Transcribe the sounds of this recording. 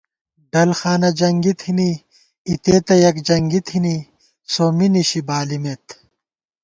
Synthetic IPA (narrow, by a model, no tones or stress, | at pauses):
ɖɐlxaːnɐd͡ʑɐŋɡit̪ʰini | it̪eːt̪ɐjɐkd͡ʑɐŋɡit̪ʰini | soːminiɕibaːlimet̪